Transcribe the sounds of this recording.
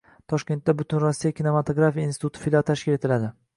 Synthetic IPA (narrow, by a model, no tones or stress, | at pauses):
t̪ʰɒʃkʲe̞nt̪ːabʊt̪ʰɪnɾɒsːijakʲine̞mat̪ʰoɡɾafijainst̪ʰʊt̪ɪ̥filat̪ʰaʃkʲɪle̞t̪ʰɪlad̪ɪ